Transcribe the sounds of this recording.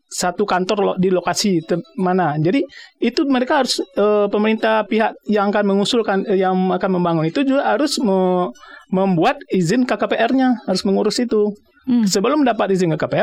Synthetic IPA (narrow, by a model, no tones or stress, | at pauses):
sat̪ukant̪ɔrlodilokasit̪əmanad͡ʒadiːt̪uməɾekaɦaɾʊsəpəməɾint̪ahpiɦaʔjaŋakanməŋusʊlkanjaŋakanməmbaŋʊnit̪ud͡ʒuɡaɦaɾʊsmə | məmbuat̪̚izɪnkakapeʔɛrɲahaɾʊsməŋuɾʊsit̪u | səbəlʊmdapat̪izɪnkakapeɛr